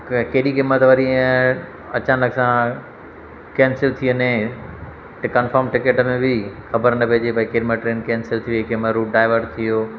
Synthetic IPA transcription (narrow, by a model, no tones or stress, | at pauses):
keːɗikɪmət̪ʋɐɾi | ɐt͡ɕãːnəksã | kɛ̃ːnsɪlt̪ʰiənẽ | ʈkɐnfəːɾmʈɪkeʈmẽbʱɪxɐbəɾnɐpiɦd͡ʑepɐĩkeːɗimə̃ʈɾẽːnkɛːnsɪlt̪ʰijkɪməɾuːʈɖaːɪʋəɾɖt̪ʰijoː